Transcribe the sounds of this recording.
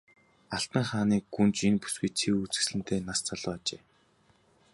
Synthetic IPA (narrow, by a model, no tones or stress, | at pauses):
aɬt̪ə̆ŋχaːniːɡunt͡ɕinpu̥sɡujt͡sʰiut͡sɘ̥̆sɮɘ̆n̥t̪ʰeːnast͡saɮʊːat͡ɕeː